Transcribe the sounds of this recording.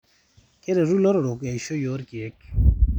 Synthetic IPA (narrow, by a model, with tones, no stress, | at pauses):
ke˦ɾe˨ɾu˦lo˦ɾo˨ɾo˨ke˨i˨ʃo˦jo˦ɾki˨e˨˦k